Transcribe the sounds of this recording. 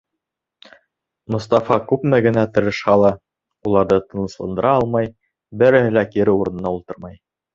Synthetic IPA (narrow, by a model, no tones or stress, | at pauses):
mŏst̪ɑfɑkʉpmæɡɘ̆næt̪ɤ̆ɾɤ̆ʃhɑlˠɑ | ulˠɑɾðɤt̪ɤ̆nɤ̆slˠɤ̰̆nd̪ɤ̆ɾɑɑlˠmɑj | bɘɾɘ̆hɘ̆lækiɾɘuɾɤ̆nɤ̆nɑulˠt̪ɤɾmɑj